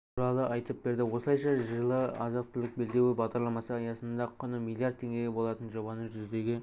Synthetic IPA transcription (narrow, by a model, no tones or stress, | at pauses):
t̪ʰuɾɑlˠəʔɑjt̪əp̚be̞ɾd̪ɪwo̞səlˠɑjʃɑʒəlˠəɑzɑq̚t̪ʰɪlˠɪk̚be̞ld̪e̞wɪbɑʁd̪ɑɾlˠɑmɑsəɑjɑsənd̪ɑqʰʊnəmilˠijaɾd̪̚ʰe̞ŋɡʲe̞ɡʲebo̞lˠɑt̪ənʒo̞bɑnəʒʏzd̪e̞ɡʲe